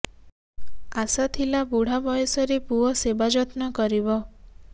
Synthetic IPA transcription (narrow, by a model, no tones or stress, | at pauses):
asat̪ʰilabuɽ̤abɔjɔsɔɾepuɔsebad͡ʒɔt̪nɔkɔɾibɔ